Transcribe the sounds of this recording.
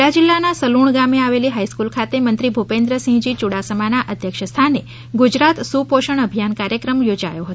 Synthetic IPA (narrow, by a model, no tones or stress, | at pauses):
ad͡ʒilːanasəluɳɡameaʋeliɦaiskulkʰat̪emənt̪ɾibʱupẽnd̪ɾəsĩɦd͡ʒit͡ʃuɽasəmanaʔəd̪ʱjəkʃəst̪ʰane | ɡud͡ʒɾat̪supoʃəɳəbʱijankaɾjəkɾəmjod͡ʒa̰joɦət̪